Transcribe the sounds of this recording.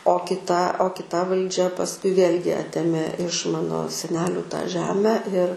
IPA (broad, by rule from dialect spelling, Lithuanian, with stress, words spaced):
oː kʲɪˈtɐ oː kʲɪˈtɐ ʋɐlʲˈd͡ʒʲɛ pɐsˈkʊɪ ˈʋʲeːlʲɡʲɪ ˈɑːtʲeːmʲeː ɪʃ ˈmɑːnoː sʲɛˈnʲæːlʲuː tɑː ˈʒʲæːmʲæː ɪr